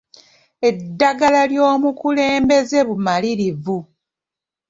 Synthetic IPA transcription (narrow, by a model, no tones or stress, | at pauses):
e̞dːaɡalaljo̞ːmukule̞ːmbe̞ze̞βumaliɾivu